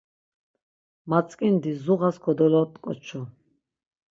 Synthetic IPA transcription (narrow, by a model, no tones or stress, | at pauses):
mat͡sʼkʼind̪izuʁaskʰɔd̪ɔlɔt̪ʼkʼɔ̰t͡ʃʰɔ